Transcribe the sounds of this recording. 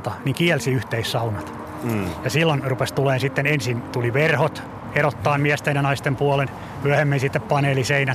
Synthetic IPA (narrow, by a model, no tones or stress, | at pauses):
t̪ɑniŋkiɛlsiyht̪eissɑunɑt̪ | jɑsilːonrupest̪uleːnsit̪ːenensint̪uliʋerhot̪ | erot̪ːɑːmmiɛst̪enjɑnɑist̪empuɑlen | myæhemːinsit̪ːeppɑneːliseinæ